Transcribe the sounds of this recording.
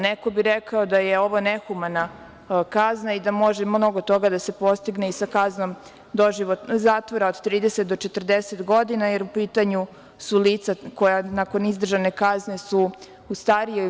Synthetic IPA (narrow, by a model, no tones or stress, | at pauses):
neko̞biɾekaod̪ajeo̞ʋo̞nexumana | kaznaid̪amo̞ʒemno̞ɡot̪o̞ɡad̪ase̞po̞st̪iɡneisakazno̞m | d̪o̞ʒiʋot̪zaːt̪ʋoɾaod̪t̪ɾiːd̪eset̪̚d̪ot͡ʃe̞t̪ərd̪eset̪ɡo̞d̪inaje̞ɾupiːt̪aɲu | suliːt̪sako̞janako̞nizd̪r̩ʒane̞kaznesu | ust̪aɾijo